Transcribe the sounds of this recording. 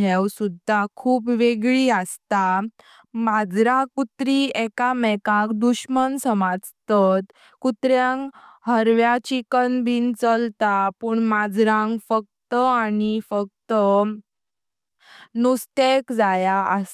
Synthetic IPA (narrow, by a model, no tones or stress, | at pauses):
ewsud̪ʱːakʰuːpʋeɡɭiəst̪a | mad͡zɾakut̪ɾiɛkamɛkakd̪uɕmənsəmad͡zt̪ət̪ | kut̪ɾjãŋkɦəɾʋjat͡ɕikənbint͡səlt̪apuɳmad͡zɾãŋɡfək̚t̪əanifək̚t̪ə | nust̪ekd͡zajaə